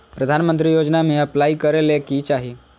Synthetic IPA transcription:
pɾəd̪ʱanmənt̪̬ɾiːjod͡ʒnameəplaikəɾelekit͡ʃaɦi

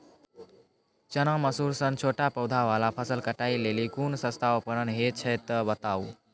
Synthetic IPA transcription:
t͡ʃənaməsuɾsənt͡ʃʰoʈapəwd̪ʱaʋalapʰəsəlkəʈailelikunsə̃st̪ʰaəpənənɦet͡ʃʰɛt̪ːəbət̪au

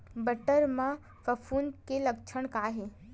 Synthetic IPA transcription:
bəʈəɾmã | fəfʰunkelɐkt͡ʃʰəɳ̃kaːɦe

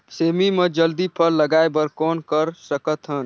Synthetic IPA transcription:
semimed͡ʒəld̪ipʰəlːəɡaebəɾkɔːnkəɾsəkət̪ɦən

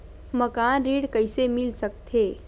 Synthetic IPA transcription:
məkanɾiːɽkəjsemilsək̚t̪ʰe

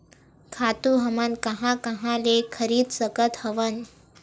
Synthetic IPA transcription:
kʰat̪uɦəmankəɦãkəɦãlekʰəɾiːd̪səkət̪həʋən

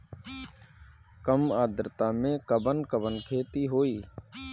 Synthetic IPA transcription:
kəmaːd̪ɾət̪amẽkəbənkəbənkʰeːt̪iɦoːiː

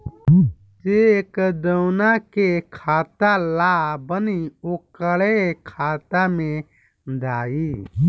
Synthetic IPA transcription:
d͡ʒekd̪əwnakekʰaːt̪alabəniokəɭekʰaːt̪amẽ | d̪aːi

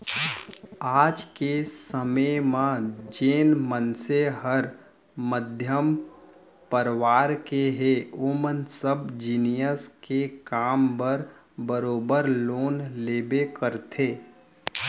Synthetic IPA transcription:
aːd͡ʒkesəməjmãd͡ʒeːnmənseɦəɾ | məd̪ʱjəm | pəɾʋaːɾkeɦeomənsəbd͡ʒinijəskekaːmbəɾ | bəɾoːbəɾloːnleːbekəɾt̪ʰeː

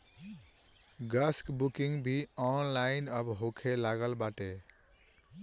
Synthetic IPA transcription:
ɡaskbukiŋbʱiɔnlajnʌbɦokʰelaɡʌlbaʈe

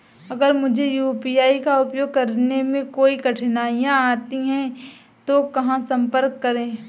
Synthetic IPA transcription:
ɐɡəɾmʊd͡ʒʱejuːpiaːikaʊpjoːɡ̚kɐɾnemẽkoːikɐʈʰnaːjãaːt̪iɦɛ̃ | t̪okɐɦãsɐ̃mpəɾkːɐɾẽː

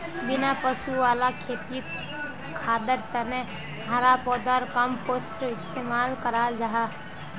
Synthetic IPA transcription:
bɪnapəʃuʋaːlakʰeːt̪i | kʰaːd̪əɾt̪ənẽ | ɦaɾapɔːd̪aɾkəmpoːsʈɪst̪eːmaːlkəɾaːld͡ʒaɦaː

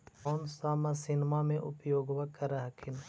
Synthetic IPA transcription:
ɔːnsaːmasɪnmamẽʔʊpjoːɡʋakəɾəɦkʰɪn

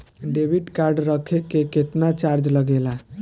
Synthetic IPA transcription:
ɖebiɖkaɾɖɾəkʰekeket̪nat͡ʃaɾd͡ʒləɡela

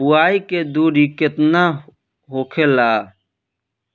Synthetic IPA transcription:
uaːiked̪uːɾiket̪na | ɦoːkʰelaː

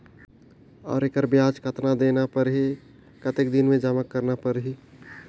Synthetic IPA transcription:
ɔ̰ːɾekəɾbjaːd͡ʒkʰət̪nad̪eːnapəɾɦi | kət̪ek̚d̪ɪnmẽd͡ʒaːməkːəɾnapəɾɦi

